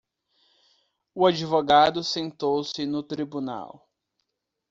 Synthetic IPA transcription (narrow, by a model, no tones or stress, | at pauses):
ʊad͡ʒivoɡad̪ʊsẽnt̪owsɪnʊt̪ɾibuna̰w